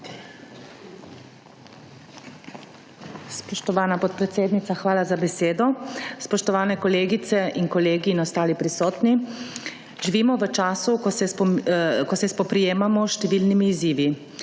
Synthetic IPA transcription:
spɔʃt̪ɔʋaːnapɔt̪pɾɛt̪seːd̪nit̪saxʋaːlazabɛseːd̪ɔspɔʃt̪ɔʋaːnɛkɔleːɡit̪sɛʔinkɔleːɡiːnɔst̪aːlipɾisɔːt̪ni | ʒiʋiːmɔʋət͡ʃaːsukɔsɛpkɔsɛspɔpɾijeːmamɔʃt̪ɛʋiːlnimiːziːʋi

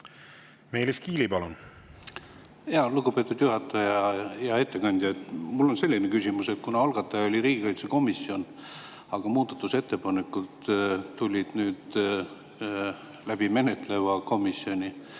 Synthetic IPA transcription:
me̞jliskiːlipɑlun | jɑluɡupe̞t̪ːˑud̪̥juɦɑt̪ːˑɑjɑjɑe̞t̪ːe̞kɑnʲd̪̥ʲjɑet̪mulːo̞nse̞lʲːinekysʲimuse̞t̪̚kunɑɑlɡ̥ɑt̪ːˑɑjɑo̞lʲiɾiːɡ̥ikɑjt̪seko̞misio̞n | ɑɡ̥ɑmuːd̪̥ɑt̪ːˑuse̞t̪ːe̞pɑnekːˑult̪ːulʲid̪̥nyːd̪ | læb̥ime̞net̪ˑle̞vɑko̞misio̞nʲi

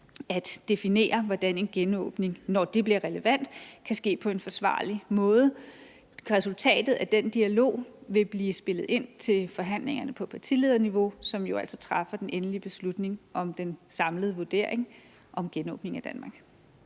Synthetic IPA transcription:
æd̥d̥e̝fine̝̰ːɐʋɒd̥æne̝nɡ̥enɔ̰̽ːb̥ne̝ŋnɒd̥e̝b̥liɐʁɛləʋæn̰d̥kʰæsɡ̥e̝̰ːpʰɒ̽e̝nfɒ̽sʋɑ̰̈ːlimɔ̽ːð̞ˠ | ʁɛsult͡sʰɛ̰ːd̥ð̩ˠæd̥end̥iælo̝̰ːʋe̝b̥liːsb̥e̝lð̞̩ˠe̝n̰t͡sʰe̝lfɒ̽ɦæn̰le̝ŋɐnəpʰɒ̽pʰɑ̈t͡sʰḭle̝ðˠɐniʋo̝sɒ̽mjo̝æl̰sɒt͡sʰʁɑ̈fɐd̥enʔenəlib̥e̝slud̥ne̝ŋʔɒ̽md̥ensɑ̈mləðˠʋoɐd̥e̝ɐ̰eŋ | ʔɒ̽mɡ̥enɔ̰̽ːb̥ne̝ŋæd̥ænmɑ̈ɡ̥

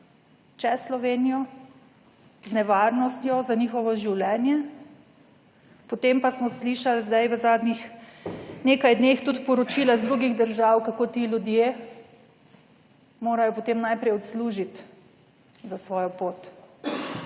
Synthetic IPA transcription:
t͡ʃɛsːlɔʋeːnijɔ | znɛʋaɾnɔst̪jɔzaniːxɔʋɔʒiwlɛːnjɛ | pɔt̪empasmɔsliʃalzd̪ajʋəzaːd̪nix | neːkajd̪next̪ut̪pɔɾɔt͡ʃiːlazd̪ɾuɡiɣd̪əɾʒawkakoːt̪iːlʲjud̪je | moːɾajɔpɔt̪eːmnajpɾɛjɔt̪sluːʒit̪ | zasʋɔːjɔpoːt̪

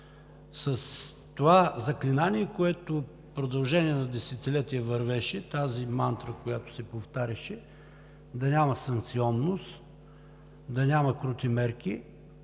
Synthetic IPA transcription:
səs | t̪ovazɐklinaniɛkoɛt̪o | pɾod̪ɐlˠʒɛniɛnɐd̪ɛsɛt̪ilɛt̪iəvɐɾvɛʃɛt̪azimant̪ɾəkojat̪o̥sɛpoft̪aɾʲɐʃɛ | d̪ɐnʲamɐsɐŋkt̪siɔnːost̪ | d̪ɐnʲamɐkɾut̪imɛɾk̟i

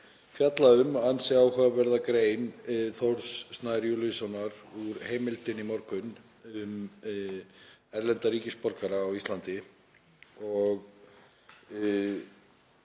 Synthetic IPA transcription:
fjat̪laʏmansɛaːwhavɛɾðakɾeːjnθowɾsːnaːɾjulʏsanːaɾuɾ̥heːjmɪlt̪ɪnimɔɾkʏn | ʏm | ɛɾlɛnt̪aɾiːcɪspɔɾkaɾaːwist̪lant̪ɪ | ɔɣ

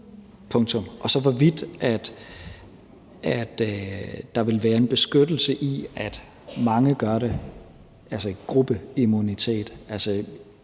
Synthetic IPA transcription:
pʰɔ̽ŋt͡sʰɔ̽mʔɒ̽sɒ̽ʋɒʋid̥ʔæd̥ | ʔæd̥ | d̥ɑ̈ʋe̝lʋæːɐe̝nb̥e̝sɡ̥ød̥l̩səʔiæd̥ | mɑ̈ŋəɡ̥ɶɐɾe̝ | ʔælsəɡ̥ʁub̥əimunit͡sʰe̝̰ːd̥ælsə

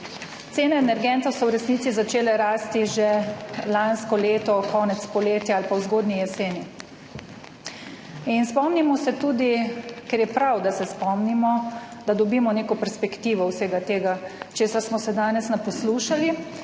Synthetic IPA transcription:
t̪seːnɛːnɛɾɡɛnt̪ɔwsɔwɾɛsniːt̪izat͡ʃeːlɛɾaːst̪iʒelanskɔleːt̪ɔkʰɔːnɛt̪spɔleːt̪jaalpawzɡoːd̪nijɛseːni | inspɔmnimɔsɛt̪uːd̪ikɛɾjɛpɾawd̪asɛspɔmnimɔd̪̥ad̪ɔbiːmɔneːkɔpɛɾspɛkt̪iːʋɔwseːɡat̪eːɡat͡ʃeːsaɾsmɔsɛd̪aːnɛsnapɔsluːʃali

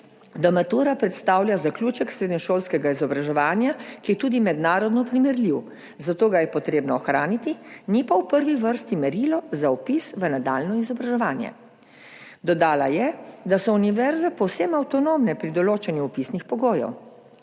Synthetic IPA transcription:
d̪ɔmat̪uɾapɾɛt̪st̪aːwljazaklʲuːt͡ʃɛksɾeːd̪niʃoːlskɛɡaizɔbɾaʒɛʋaːnjakijɛt̪uːd̪imɛd̪naːɾɔd̪nɔpɾimɛɾliw | zat̪oːɡajɛpɔt̪ɾeːbnɔːxɾaːnit̪inipawpəɾʋiʋəɾst̪imɛɾilɔzaɔpisʋənad̪a̰ːlnɔizɔbɾaʒɛʋaːnjɛ̰ | d̪ɔd̪aːlajɛd̪asɔuniʋɛɾzapɔwsɛmawt̪ɔnoːmnɛpɾid̪ɔloːt͡ʃɛnjuɔpisnixpɔɡoːjɔ̰w

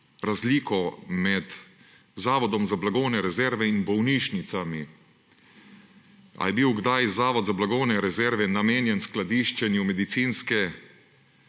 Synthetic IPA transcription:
ɾazliːkɔmɛt̪ | zaːʋɔd̪ɔmzablaɡownɛɾɛzɛɾʋɛinbɔwniːʃnit̪sami | a̰jɛbiwɡd̪ajzaːʋɔd̪zablaɡownɛɾɛzɛɾʋɛnameːnjɛnsklad̪iːʃt͡ʃɛnjumɛd̪it̪siːnskɛ

